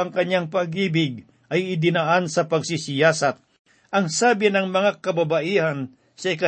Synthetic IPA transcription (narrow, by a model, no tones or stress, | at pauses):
ɐŋkɐɲjaŋpɐɡiːbɪɡ̚ | ʔɐjɪd̪ɪnaʔansɐpɐɡsɪsɪjaːsat̪̚ | ʔɐŋsaːbɪnɐŋmɐŋakɐbabaʔiːhɐn | sɐɪkɐ